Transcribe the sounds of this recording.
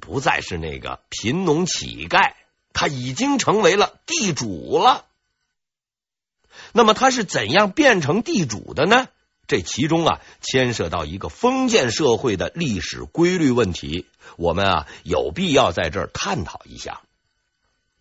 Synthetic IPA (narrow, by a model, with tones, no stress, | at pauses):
pu˧˥t͡sa˥˧ɪʂɻ̩˥˧nḛ˥˩ɡə̰˩pʰi˧˥nnʊ˧˥ŋt͡ɕʰḭ˨˩ka˥˩ɪ | t̪ʰa˥i˨˩t͡ɕi˥ŋʈ͡ʂʰɤ˧˥ŋwe˧˥ɪlə˧t̪i˥˩ʈ͡ʂu˨˩lə˧ | na˥˩mə˩t̪ʰa˥ʂ̬ɻ̩˥˩t͡sə˨˩njɑ˥˧ŋpjɛ˥˩nʈ͡ʂʰɤ˧˥ŋt̪i˥˩ʈ͡ʂṵ˨˩d̪ə˦nə˧ | ʈ͡ʂe˥˩t͡ɕʰi˧˥ʈ͡ʂʊ˥ŋɐ̰˨˩ | t͡ɕʰjɛ˥nʂɤ˥˧t̪ɑ˥˩ʊi˧˥ɡə˧fɤ˥ŋt͡ɕjɛ˥˧nʂɤ˥˧xwe˥˩ɪd̪ə̰˩li˥˩ʂɻ̩˨˩kwe˥ɪly˥˧wə˥˩nt̪ʰḭ˧˥ | wɔ˨˩mə˦nɐ̰˨jo˨˩ʊpi˥˧jɑ˥˧ʊt͡sa˥˧ɪʈ͡ʂə̰˞˥˧tk̪ʰa˥˩nt̪ʰɑ˨˩ʊḭ˧˥ɕja̰˥˩